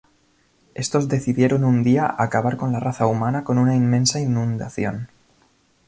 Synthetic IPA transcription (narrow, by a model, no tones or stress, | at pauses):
e̞st̪o̞zðe̞θiðje̞ɾo̞nund̪iaʔakaβ̞aɾko̞nlaraθaumanako̞nunainmẽ̞nsainũnd̪aθjo̞̰n